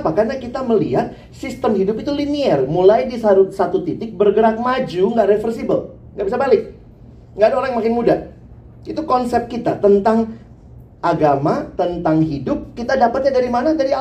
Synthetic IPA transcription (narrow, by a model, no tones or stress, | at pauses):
pakarnakit̪aməlḭɦat̪̚ | sist̪əmhidʊpit̪uliniɛrmulajdisausat̪ut̪it̪ɪk̚bərɡəɾak̚mad͡ʒuŋɡaʔɾefərsibəl | ŋɡaʔbisabalɪk̚ | ŋɡaʔdaoɾaŋmakɪnmudah | it̪ukɔnsɛp̚kit̪a̰t̪ənt̪aŋ | ʔaɡamat̪ənt̪aŋɦidʊp̚kit̪adapat̪̚ɲadaɾimanadaɾia